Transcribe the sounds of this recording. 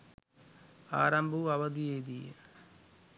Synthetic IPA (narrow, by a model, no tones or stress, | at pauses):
a̰ːɾɐmbʱuɐʋɐd̪ijeːd̪iːɐ